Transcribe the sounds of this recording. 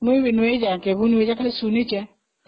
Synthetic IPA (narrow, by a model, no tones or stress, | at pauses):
newinwed͡ʒakeβuned͡ʒakasunit͡ʃɛ